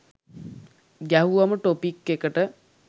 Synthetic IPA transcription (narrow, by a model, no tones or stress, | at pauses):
ɡæɦuʋaməʈopikːekəʈə